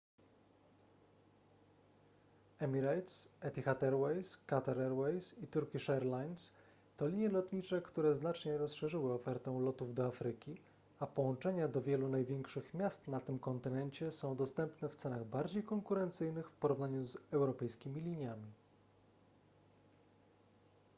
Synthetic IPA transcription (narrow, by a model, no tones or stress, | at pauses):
ɛmʲiɾajt̪sɛt̪ʲixat̪ɛɾwɛjskat̪aɾɛɾwɛjsit̪uɾkʲiʂɛɾlajns | t̪ɔlʲiɲjɛlɔt̪ɲit͡ʂɛkt̪uɾɛznat͡ʂɲɛɾɔsʂɛʐɘwɘɔfɛɾt̪ɛw̃lɔt̪uvd̪ɔafɾɘkʲi | apɔwɔ̃nt͡ʂɛɲad̪ɔvʲjɛlunajvʲjɛŋkʂɘxmʲjast̪nat̪ɘmkɔnt̪ɘnɛɲt͡ɕɛsɔ̃w̃d̪ɔst̪ɛmpnɛft̪sɛnaɣbaɾd͡ʑejkɔŋkuɾɛnt̪sɘjnɘxfpɔɾuvnaɲuzɛwɾɔpɛjskʲimʲilʲiɲjamʲi